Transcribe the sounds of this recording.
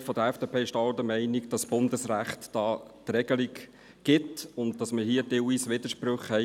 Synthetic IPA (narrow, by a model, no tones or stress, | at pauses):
fɔdəɛfd̥eːpʰeːɪʃtɑldəmɛɪnikd̥ɑsb̥ʊndəsɾæχtd̥ɑːt̪rɛɡ̥əlik | ɡ̥ɪtʊnt̚d̥ɑsməhiədɪwiːsʋɪd̥əɾʃpɾʊχhɛɪ